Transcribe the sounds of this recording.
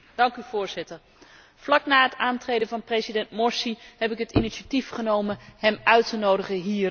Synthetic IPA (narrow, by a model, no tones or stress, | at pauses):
d̥ɑŋkyv̥ʊːɹz̥ɪtəɹ | vlɑknaːɦətaːntrejdənvɑnprezidɛntmɔɹsihɛpɪkɦətiniʃatifχənowmənhɛmʔœɥtənowdəχəɦiːr